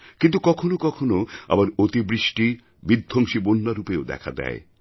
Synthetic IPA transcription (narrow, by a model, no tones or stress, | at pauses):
kint̪ukɔkʰonokɔkʰonoa̰baɾot̪ibɾiʃʈi | bid̪ʱːoŋʃibonːaɾupeod̪ɛ̰kʰa̰d̪ɛ̰e